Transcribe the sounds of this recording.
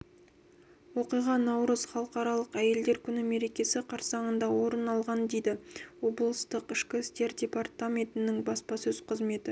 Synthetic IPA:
wo̞qijʁɑnɑwɾəz̥χɑlˠəqɑɾɑlˠəqæje̞ld̪e̞ɾkʲʰʏnɪme̞ɾe̞kʲe̞sɪqʰɑɾsɑɴənd̪ɑwo̞ɾənɑlˠʁɑnd̪e̞jd̪ɪwo̞blˠəst̪əqɪʃkʲɪst̪e̞ɾdʲe̞part̪amʲe̞nt̪ɪnɪŋbɑspɑsɵz̥qʰəzme̞t̪ɪ

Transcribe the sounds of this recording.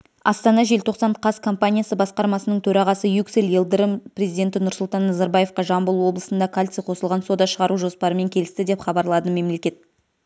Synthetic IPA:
ɑ̰st̪ɑnɑʒe̞lt̪ʰo̞qsɑɴqʰɑskʰo̞mpanʲijasəbɑsqɑɾmɑsənəɴt̪ʰɵɾɑʁɑsəjukselelˠd̪ɾəmprʲe̞zijd̪ʲe̞nt̪ɪnʊɾsʊlˠt̪ɑnːɑzɑɾbaje̞fqɑʒɑmbəlˠuwo̞blˠəsənd̪ɑkʰalʲt̪sijqʰo̞səlˠʁɑnso̞d̪ɑʃəʁɑɾuʒo̞spɑɾəme̞ŋkʲʰe̞lɪst̪ɪd̪e̞pχɑbɑɾlˠɑd̪əme̞mle̞kʲe̞t̪̚

